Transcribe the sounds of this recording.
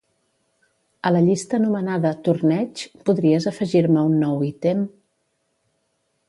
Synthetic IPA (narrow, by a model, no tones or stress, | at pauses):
ələʎist̪əːnumənaðət̪uɾnɛt͡ʃpuðɾiəzəfəʒiɾməunːɔwit̪em